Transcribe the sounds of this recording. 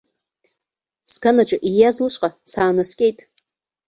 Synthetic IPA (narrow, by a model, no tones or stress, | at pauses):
skʰanat͡ʃʷʼʊʔijazlɨʃʷʼqʼasaːnaskʲʼe̞jtʼ